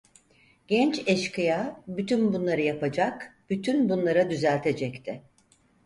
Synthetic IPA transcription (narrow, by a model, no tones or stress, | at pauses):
ɟ̥ɛnt͡ʃɛʃkɯjabyt̪ʰynbunlˠaɾɯjapad͡ʒakb̥yt̪ʰynbunlˠaɾad̪yzælʲt̪ʰe̞d͡ʒɛct̪ʰɪ